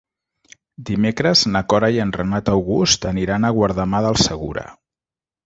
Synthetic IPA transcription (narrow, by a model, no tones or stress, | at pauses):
d̪imekɾəznəkɔɾajənrənat̪əwɣust̪əniɾanəɣwaɾðəmaðəlˠsəɣuɾə̰